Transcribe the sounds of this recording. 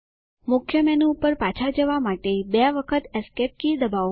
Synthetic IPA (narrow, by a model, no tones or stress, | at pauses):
mʊkʰjəmɛnupəɾpat͡ʃʰad͡ʒəʋamaʈebeaʋəkʰət̪eskep̚kid̪əba